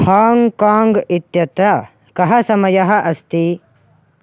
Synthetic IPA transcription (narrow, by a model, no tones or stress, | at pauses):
haːŋkaːŋɡit̪jɐt̪ɾɐ | kɐɦɐsɐmɐjɐɦɐ̆ʔɐst̪i